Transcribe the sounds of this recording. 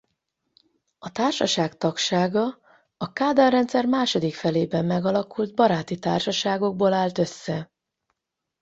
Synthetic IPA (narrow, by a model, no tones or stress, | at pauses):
ɒt̪aːrʃɒʃaːkt̪ɒkʃaːɡɒ | ɒkaːd̪ɒrɛnt̪sɛrmaːʃo̞d̪ikfɛleːbɛmːɛɡɒlɒkuld̪̚bɒɾaːt̪it̪a̰ːrʃɒʃaːɡo̞ɡ̚boːlaːlt̪ø̞sːɛ